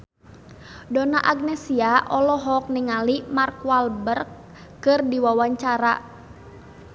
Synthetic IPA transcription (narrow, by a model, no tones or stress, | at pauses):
dɔnaʔaɡ̚nɛsiaʔɔlɔɦɔk̚niŋalimarkwalbərk̚ː | ɨrdiwawaɲt͡ʃaɾa̰